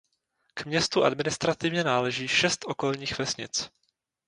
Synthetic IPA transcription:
kmɲɛst̪uʔa̰dmɪnɪst̪ɾat̪ɪvɲɛnaːlɛʒiːʃɛst̪ʔoko̞lɲiːxvɛsɲɪ̰t͡s

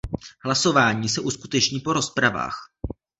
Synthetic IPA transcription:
ɦlaso̞vaːɲiːsɛʔuskut̪ɛt͡ʃɲiːpo̞ɾo̞spɾava̰ːx

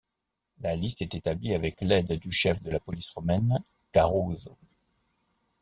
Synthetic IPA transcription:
lalist̪ɛt̪et̪abliavɛklɛd̪d̪yʃɛfd̪əlapɔlisʁɔmɛn | kaʁozo

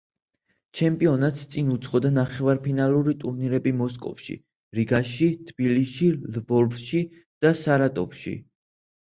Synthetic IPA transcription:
t͡ʃʰɛmpʼiɔnat̪st̪sʼinut̪sʰχɔd̪anaχɛvaɾpʰinalˠuɾit̪ʼuɾniɾɛbimɔskʼɔ̰fʃḭ | ɾiɡaʃit̪ʰb̥iliʃilvɔɾvʃi | d̪̥asaɾat̪ʼɔvʃḭ

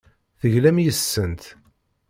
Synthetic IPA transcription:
θəʝlæmjəsːənt̪

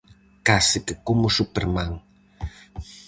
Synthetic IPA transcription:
kasəkəkumusupəɾmaŋ

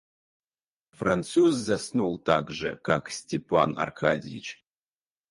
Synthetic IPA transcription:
fransuzːasnulˠt̪aɡʐə̰kaksʲtʲepʰa̰na̰rkʰazʲit͡ʃʰ

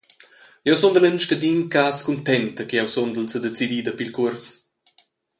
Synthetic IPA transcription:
jɛwsɔnd̪ələnʃkəd̪inkaːskunt̪ɛnt̪əkiɛwsond̪əlsəd̪et͡sid̪id̪əpilkuərs

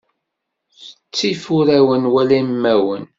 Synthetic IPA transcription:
θə̥t͡sːifʊɾæwənwælæmːæwən

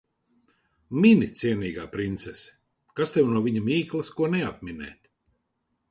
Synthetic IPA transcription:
mʲinʲit̪siɛniːɡaːpɾint̪sɛsɛ̥ | kast̪ɛwnuɔvʲiɲamʲiːklˠɐskuɔnɛap̚mʲinɛ̰ːt̪ʲ

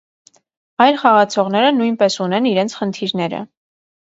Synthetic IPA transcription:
ɑjlχɑʁɑt͡sʰɔʁnɛɾənujnpɛsunɛniɾɛnt͡sʰχənt̪ʰiɾnɛɾə̰

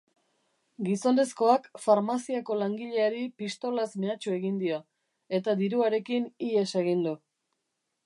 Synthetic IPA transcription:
ɡiso̞nde̞sko̞akfaɾmasiako̞laŋɡiʎe̞aɾipist̪o̞lasmeat͡ʃue̞ɣind̪io | e̞t̪ad̪iɾuaɾe̞kinie̞seɣ̞ind̪u

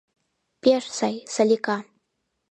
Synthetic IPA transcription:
pʲeʂsajsalʲika

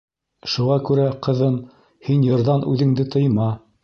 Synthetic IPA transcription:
ʃuʁɑkʉɾæqɤ̆ðɤn | hinjɤ̆ɾðɑnʉðɘ̆ŋd̪ɘt̪ʰɤ̆jmɑ

